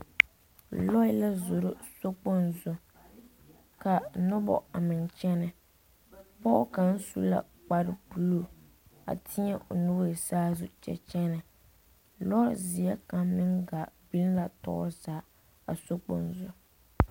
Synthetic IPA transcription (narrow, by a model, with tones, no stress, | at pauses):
lɔ˦ɪ˦la˦zʊ˨ɾʊ˦so˦k͡po˦nzʊ˨ | ka˨nʊ˦bɔ̰˨a˨mɪ˨nt͡ʃɛ˦nɨ˨ | pɔ˦ka˨n˦sṵ˦la̰˨ | k͡pa˦ɾɪ˦bu˨lo˨ | a̰˨tʰɪ˦ɲɛ˦ʔo˨nu˦e˨saː˦zʊ˨t͡ʃɛ̰˨t͡ʃɛ˦nɪ˨ | lɔ˦zi˨ɛ˦ka˨mmɪ˦ŋɡa˨bi˦lla˨tɔ̰˦ʔɔ˦zaː˨˦ | a̰˨so˦k͡po˨nzʊ˨